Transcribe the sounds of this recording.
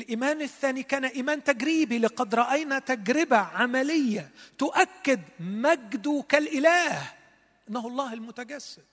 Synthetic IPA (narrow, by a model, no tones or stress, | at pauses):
lʔiːmæːnɪθːæːnikæːnæʔiːmæːnt̪æɡɾiːbilɪqɑd̪ɾˤɑʔajnæt̪æɡɾɪbaʕamælɪjːat̪ʊʔækːɪd̪mæɡd̪ukælʔɪlæːh | ʔɪnːahɑlˤːɑːhɪlmʊt̪aɡæsːɪd̪